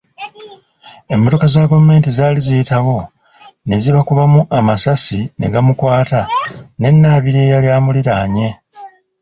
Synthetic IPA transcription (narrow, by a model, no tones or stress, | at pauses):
e̞mːo̞to̞kazaːɡovume̞ːntizaːlizitawo̞ | ne̞ziβakuβamuʔamasasinʔe̞̰ɡamukwaːtane̞nːaːβiɾeːjaljaːmuliɾaɲe̞